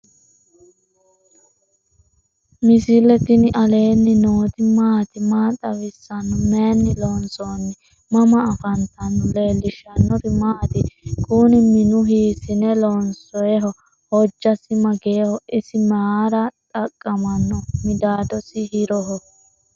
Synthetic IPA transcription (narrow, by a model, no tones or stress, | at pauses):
mɪsɪlɛt̪ɪnɪʔɐle̞ːnːɪnoːt̪ɪmaːt̪ɪmaːt̪ʼɐwɪsːɐnːɔmeːnːɪlɔːnsoːnːɪ | mɐmɐːfɐnt̪ɐnːɔle̞ːlːɪʃɐnːɔɾɪmaːt̪ɪkuːnɪmɪnʊɦiːsɪnɛlɔnsɔjɛɦɔ | hɔd͡ʒːɐsɪmɐɡeːhɔɪsɪmaɾɐt̪ʼɐkʼːɐmɐnːɔmɪd̪aːd̪ɔsɪhɪɾɔɦɔ